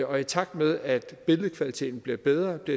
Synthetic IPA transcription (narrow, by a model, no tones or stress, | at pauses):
ɒ̽it͡sʰɑ̈ɡ̥̚d̥með̞ˠæd̥b̥e̝lð̩ˠkʰʋælit͡sʰe̝̰ːd̥n̩b̥liɐb̥eð̞ˠʁɐb̥liɐ